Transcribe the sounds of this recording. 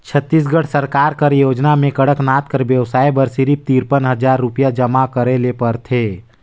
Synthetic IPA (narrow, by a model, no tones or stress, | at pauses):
t͡ʃʰət̪ːiːs̬ɡəɽ̤ʰsəɾkaːɾkəɾjoːd͡ʒnamẽkəɽəknaːt̪̚kəɾʋjəwsaːibəɾsiɾip̚t̪iːɾpənɦəd͡ʒaːɾːʊpijad͡ʒəmakəɾelepəɾt̪ʰeː